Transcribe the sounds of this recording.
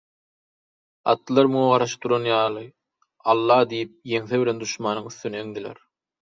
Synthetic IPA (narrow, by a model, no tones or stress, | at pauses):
ɑ̰t̪ːɯlˠɑɾmuʁɑɾɑʃɯ̥t̪uɾonjɑːlˠɯ | ɑlˠːɑːd̪ijip̚je̞ŋθeβile̞nd̪uʃmɑːnɯŋyθːyneeŋd̪ilḛɾ